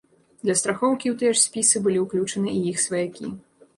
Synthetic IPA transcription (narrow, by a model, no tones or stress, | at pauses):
d̪lʲɐst̪ɾaxɔwkʲiwt̪ɨjɛʂsʲpʲisɨbɨlʲiwklʲut͡ʂɐnɨʔijixsvɐjakʲḭ